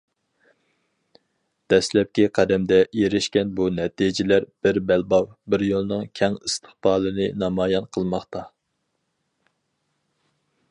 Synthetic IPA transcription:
d̪̥ɛslɛp̚kʲiqʰæd̪ɛmd̪ɛeɾɪʃkʲɛnbunɛt̪id͡ʒɪlæɾb̥ɪɾbælbɑwbɪɾjolˠnɨŋkʲʰɛŋist̪ʰə̥χbɑːlˠɨnɨnɑmɑːjɑnqʰəlˠmɑχt̪ɑ

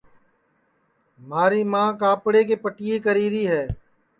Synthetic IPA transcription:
maːɾiːmãːkaːpɽeːk̬eːpəʈɪjeːkəɾiːɾiːɦɛː

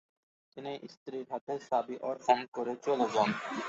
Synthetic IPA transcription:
t̪iniʔḭst̪ɾiɾɦat̪ʰeʃabiʔɔɾxɔnkoɾet͡ɕoloɡɔn

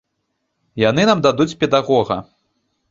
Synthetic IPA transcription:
janɨnamd̪ad̪ut͡sʲpʲɛd̪aɣɔɣɐ̰

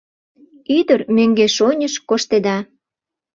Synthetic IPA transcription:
yd̪ərmøŋɡeʃonʲəʃkoʃt̪ed̪ɑ

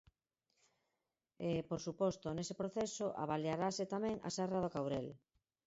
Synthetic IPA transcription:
ɪpoɾsupɔst̪onesepɾoθesoʔa̰βaljaɾasɪt̪amɛ̃ŋa̰sɛrað̞okawɾel

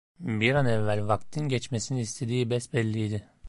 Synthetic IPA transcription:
biɾanɛvːælʲvakt̪ʰinɟɛt͡ʃmesiniːst̪ʰed̪iːibɛsbɛlʲːijd̪ɪ

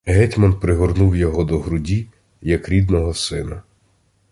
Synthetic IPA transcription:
ɦɛtʲmɔnpɾɪɦɔrnuwjɔɦɔd̪ɔɦɾʊdʲi | jɐkɾʲid̪nɔɦɔsɪnɐ

